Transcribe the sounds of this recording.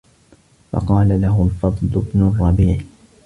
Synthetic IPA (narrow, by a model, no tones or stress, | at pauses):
fɑ̰qɑːlalaɦʊlfɑd̪ˤlʊbnʊrˤːɑbiːʕ